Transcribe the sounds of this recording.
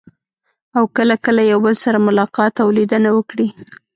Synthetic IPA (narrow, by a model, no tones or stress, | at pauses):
awkəlakəlajawbəlsaɾamʊlɑqɑt̪awlid̪ənawəkɽi